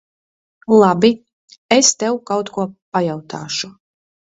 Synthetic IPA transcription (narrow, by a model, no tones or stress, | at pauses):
lˠabi | est̪ɛwkawt̪kuɔpajawt̪ʰaːʃu